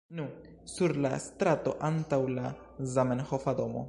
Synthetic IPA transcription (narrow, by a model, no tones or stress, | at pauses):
nu | suɾla̰st̪ɾato̞̰ʔantawla | zamenhofad̪omo̰